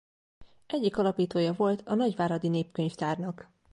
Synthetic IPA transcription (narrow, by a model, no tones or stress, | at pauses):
ʔɛɟːikɒlɒpiːt̪oːjɒvo̞lt̪ɒnɒɟvaːɾɒd̪ineːpkø̞ɲft̪aːrnɒk